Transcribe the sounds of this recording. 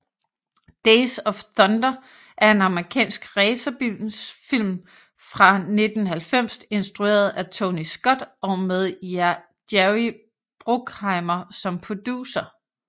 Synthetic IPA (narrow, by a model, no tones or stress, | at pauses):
d̥eɪsɒ̽fθɒ̽nd̥ɐ | ʔæɐe̝nɑ̈məʁikʰɛ̰ːnsɡ̥ʁɛːsɐb̥isfil̰m | fʁɑ̈ne̝d̥n̩ɦælfem̰se̝nsd̥ʁue̝̰ːɐð̩ˠæt͡sʰo̝nisɡ̥ɒ̽d̥ɒ̽með̞ˠjæ | d̥jæʊi | b̥ʁoɡ̥hɑ̈ɪmɐsɒ̽mpʰod̥uːsɐ